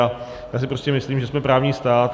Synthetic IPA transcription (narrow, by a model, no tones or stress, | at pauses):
a | jaːs̬ɪpɾo̞scɛmɪsliːmʒɛsmɛpɾaːvɲiːst̪aːt̪